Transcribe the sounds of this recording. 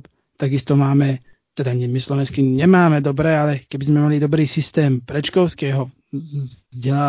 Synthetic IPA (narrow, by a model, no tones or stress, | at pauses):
t̪aɡist̪ɔmaːmɛ | t̪ɛd̪aɲɛmislɔʋɛnskiɲɛmaːmɛd̪ɔbɾɛːalɛkɛbizmɛmalid̪ɔbɾiːsist̪ɛːmpɾɛt͡ʃkɔʊskɛːɦɔ | zɟɛlaː